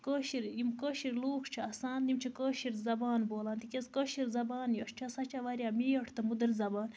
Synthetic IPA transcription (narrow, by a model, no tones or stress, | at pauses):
koːʃiɾjimkoːʃiɾloːkʰt͡ʃʰɐɐsaːnnimt͡ʃʰikoːʃiɾzɐbaːnboːlaːnt̪ikʲɐzkoːʃiɾzɐbaːnjɐʂt͡ʃʰɐsɐt͡ʃʰɐʋaɾʲjaːmijɐʈʰt̪ɐmud̪ɨɾzɐbaːn